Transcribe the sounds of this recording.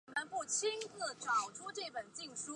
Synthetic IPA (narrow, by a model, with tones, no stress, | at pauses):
mə˧˦npu˥˩t͡ɕʰi˥ŋt͡s̩˥˩ʈ͡ʂɑ˨˩ʊʈ͡ʂʰu˥ʈ͡ʂɤ˥˩pə˨˩nt͡ɕi˥˩ŋʂu˥